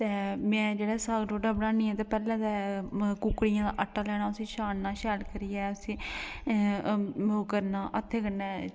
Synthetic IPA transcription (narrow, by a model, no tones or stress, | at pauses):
t̪eːmɛ̃ːd͡ʒeːɽɛːsaːɡɖoːɖaːbəɽaːniːɛ̃ːt̪eːpɛːlɛ̃ːd̪aːkʊkɽijãːd̪aːʔəʈːaːlɛːɽ̃aːəsĩːʃaːnːaːʃɛːlkəɾijɛːəsĩː | kəɾnaːʔət̪ʰːeːkəɾnɛ̃ː